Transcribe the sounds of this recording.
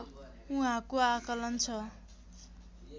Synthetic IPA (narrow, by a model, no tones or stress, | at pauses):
uɦãkoakʌlʌnt͡sʰʌ